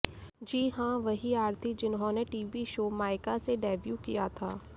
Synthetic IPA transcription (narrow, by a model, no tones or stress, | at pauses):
d͡ʒiːɦãːʋɐɦiaːɾt̪ʰid͡ʒɪnɦõneʈiːʋiʃoːmaːɪkaseɖɛːʋjuːkijat̪ʰaː